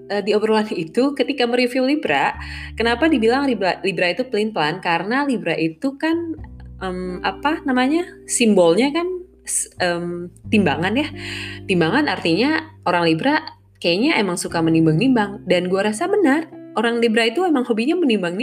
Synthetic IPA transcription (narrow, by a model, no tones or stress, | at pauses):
ədiobəɾolanit̪ukət̪ikaməɾifiwlibɾaʔkənapadibilaŋlibɾalibɾait̪uplinplankaɾənalibɾaʔit̪ukanəmapanamaɲasimbɔlɲakan | səmt̪imbaŋanjat̪imbaŋanart̪iɲaoɾaŋlibɾaʔ | kajaɲaemaŋsukamənimbaŋnimbaŋdanɡuaɾasabənarʔoɾaŋlibɾait̪uemaŋhobiɲamənimbaŋn